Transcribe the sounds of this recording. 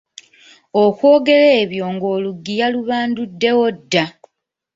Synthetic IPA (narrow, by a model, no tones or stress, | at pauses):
okwo̞ːɡe̞le̞ːβjo̞ŋɡo̞ːluɡːijaluβaːndudːe̞wodːa